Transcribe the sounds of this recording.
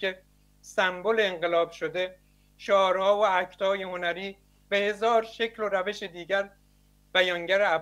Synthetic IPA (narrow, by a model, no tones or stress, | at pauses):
e | sæmboleːŋɢelɒːb̥ʃod̪e̞ | ʃoːɾhɒːoæcʰt̪ɒːje̞ho̞næɾiː | behe̞zɒːɾʃe̞cʰloɾæve̞ʃed̪iːɟæɾ | b̥æjɒːŋɟæɾeæ